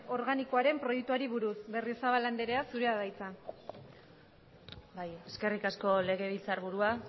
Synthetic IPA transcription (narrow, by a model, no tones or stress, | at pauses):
o̞ɾɣanikoaɾe̞mpɾo̞jek̚t̪uaɾiβuɾusβe̞risaβaland̪eɾe̞asuɾe̞aðajt͡sa | baje̞ske̞rikasko̞le̞ɣ̞e̞β̞ilt͡saɾβuɾua